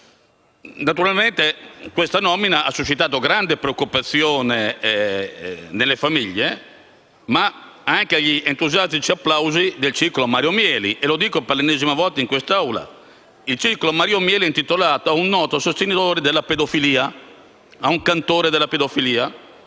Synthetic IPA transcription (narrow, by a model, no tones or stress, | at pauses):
nat̪uɾalment̪ekwest̪anɔminaasːut͡ʃːit̪aːt̪̬oɡɾand̪epɾeokːupat̪sːjoːne | nelːefamiʎːe | ma | aŋkeaʎːiʔent̪uzjast̪it͡ʃiapːlawzid̪elt͡ʃikolomaɾjomjɛːlḭʔelod̪iːkopalenɛːzimavɔlt̪aiŋkwest̪awla̰ | ilt͡ʃirkolomaɾiomjɛːliɛnt̪it̪olaːt̪oaunːɔːt̪oasost̪enit̪oːɾed̪elːaped̪ofiliːa | auŋkant̪oːɾed̪elːaped̪ofiliːa